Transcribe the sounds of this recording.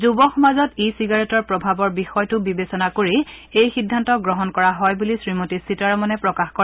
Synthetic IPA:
zubɔxɔmazɔtisiɡaɹetɔɹpɹɔbʱabɔɹbixɔjtʊbibesɔnakoɹiejxidʱːantɔɡɹɔɦɔnkɔɹaɦɔjbulisɹimotisitaɹɔmɔnɛpɹɔkaxkɔa

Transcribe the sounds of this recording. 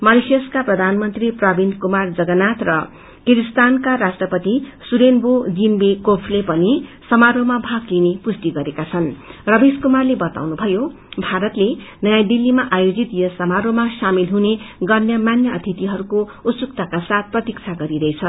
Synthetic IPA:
mʌlisjʌskaprʌd̪ʱanmʌnt̪riprʌbind̪kumard͡zʌɡʌnat̪rʌ | kiɾist̪ankaɾasʈrʌpʌt̪isuɾenbod͡zinbekopʰlepʌnisʌmaɾomabʱaklinepust̪iɡʌɾekat͡sʰʌnrʌbeskumarlebʌt̪a̰wnubʱʌjo | bʱaɾʌt̪lenʌjad̪ilːimaʔajod͡zit̪jʌsʌmaɾomasamilɦuneɡʌrnjʌmanjʌʌt̪ʰit̪iɦʌɾukout̪sukt̪akasat̪̚prʌt̪ikt͡sʰaɡʌɾiɾʌjt͡sʰʌ

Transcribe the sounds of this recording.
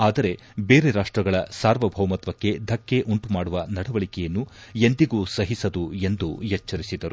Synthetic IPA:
aːd̪ɐɾe̞ | beːɾe̞ɾaːʂʈɾɐɡɐɭɐsaːɾʋɐbʱɐwmɐt̪ʋɐkːe̞d̪ʱɐkːe̞ʔuɳʈumaːɽuʋɐnɐɽɐʋɐɭikɛjɐnːue̞nd̪iɡuːsɐɦisɐd̪ue̞nd̪ujɐt͡ʃːɐɾisid̪ɐɾu

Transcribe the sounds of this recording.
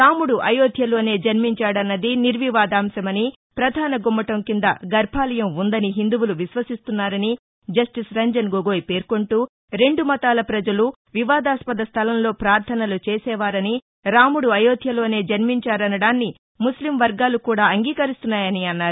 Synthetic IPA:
ɾaːmuɽuʔɐjoːd̪ʱjɐlo̞ːne̞ːd͡ʒɐnmiɲt͡ʃaːɽɐnːɐd̪iniɾʋiʋaːd̪aːmsɐmɐni | pɾɐd̪ʱaːnɐɡomːɐʈɐmkind̪ɐɡɐɾbʱaːlɐjɐmund̪ɐniɦind̪uwuluʋiʃʋɐsist̪unːaːɾɐni | d͡ʒɐsʈisɾɐɲd͡ʒɐnɡoɡoːjpe̞ːɾko̞ɳʈuː | ɾe̞ɳɖumɐt̪aːlɐpɾɐd͡ʒɐlu | ʋiʋaːd̪aːspɐd̪ɐst̪ʰɐlɐmlo̞ːpɾaːɾt̪ʰɐnɐlut͡ʃeːsɛːʋaːɾɐni | ɾaːmuɽuɐjoːd̪ʱjɐlo̞ːne̞ːd͡ʒɐnmiɲt͡ʃaːɾɐnɐɽaːnːi | muslimʋɐɾɡaːlukuːɽaːɐŋɡiːkɐɾist̪unːaːjɐniɐnːaːɾu

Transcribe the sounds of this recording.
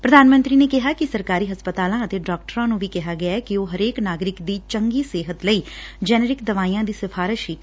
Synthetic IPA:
pɾəd̪aːnmə̃nt̪ɾiːneːkɪɦaːkɪsəɾkaːɾiːɦəspət̪aːlãːət̪eːɖaːk̚ʈəɾãːnũːʋiːkɛɦaːɡɪaɛkioːɦəɾeːknaːɡɾɪkd̪iːt͡ʃəŋɡiːseːɦət̪ləiːd͡ʒɛːnɛɾɪkd̪əʋaːiːãːd̪iːsɪpʰaːɾɪʃiː

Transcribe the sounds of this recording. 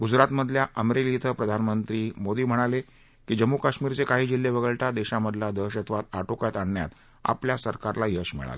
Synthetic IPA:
ɡud͡zɾat̪məd̪ʱljaʔəmeɾelit̪ʰəpɾəd̪ʱanmənt̪ɾiːmod̪iːm̤əɽ̃ale | kiːd͡ʑəmːukaɕmiːɾt͡sekaɦiːd͡ʑilːeʋəɡəɭʈad̪eɕaməd̪ʱlad̪əɕət̪ʰʋat̪aʈokjat̪aɳːja̰t̪ | a̰pljasəɾkaɾlajəɕmḭɭa̰lə

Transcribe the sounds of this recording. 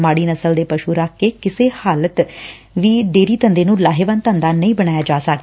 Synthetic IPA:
maːɽiːnəsəld̪eːpəʃuːɾakʰːeːkɪseːhaːlət̪ | ʋiːɖeːɾiːt̪ənd̪eːnũːlaːɦeːʋənt̪ənd̪aːnəĩːbəɽ̃aːjaːd͡ʒaːsək̪ː

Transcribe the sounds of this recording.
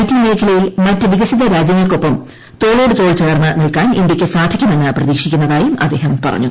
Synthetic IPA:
tːinne̞ːkʰɐlɐjilmɐtːɨʋiɣɐsiðɐɾaːd͡ʑjɐŋːɐɭko̞pːɐm | t̪o̞ːɭo̞ːɽɨt̪o̞ːɭt͡ɕe̞ːrnːɨnilkaːnind̪ʲjɐkʲːɨsaːʈʰɐkʲːunɐnːɨprɐðiːkʂikʲːunːɐðaːjumɐd̪ːe̞ːɦɐmpɐ̰rɐ̰ɲːu

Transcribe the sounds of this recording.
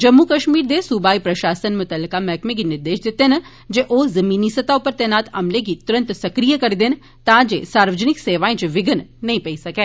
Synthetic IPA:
d͡ʒɐmːukəʃmiːɾd̪esubaːipɾɐʃaːsənmʊt̪əlːɪkamɛːkmẽɡinɪɾd̪eːʃd̪ɪt̪ːenɐ | d͡ʒeʔoːzɐmiːnisɐt̪aʊpəɾt̪ɛːnaːt̪ɐmlek̬it̪ʊɾə̃nt̪sɐkɾijəkɐɾid̪en | t̪ãːd͡ʒesaːɾʋəd͡ʒənɪkseːʋaːẽt͡ʃʋɪɡənːɐɦĩpɐisɐkɛː

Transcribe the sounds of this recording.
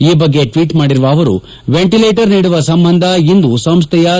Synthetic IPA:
iːbɐɡːe̞ʈʋiːʈmaːɽiɾuʋɐːʋɐɾṵ | ʋeɳʈileːʈɐɾniːɽuʋɐsɐmbɐnd̪ʱɐind̪usɐmst̪ʰɛjɐ

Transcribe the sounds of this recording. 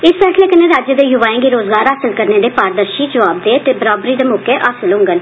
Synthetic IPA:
ɪspɛːsleːkɪnẽːɾaːd͡ʒjəd̪eːjʊʋaːẽːɡiːɾoːzɡaːɾɦaːsəlkəɾneːd̪eːpaːɾd̪əɾʃiːd͡ʒəʋaːb̚d̪eːt̪eːbəɾaːbɾiːd̪eːmoːkeːʔaːsəlɦʊ̃ŋɡən

